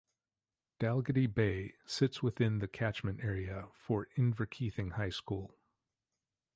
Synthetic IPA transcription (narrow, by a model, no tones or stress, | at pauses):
d̥ælˠɡɨɾibeɪsɪtswɨθɪ̃nðɨkʰæt͡ʃmɨ̃nɛɹiɨfə˞ɪ̃ɱvə˞kʰiθɪ̃ŋhaɪskulˠ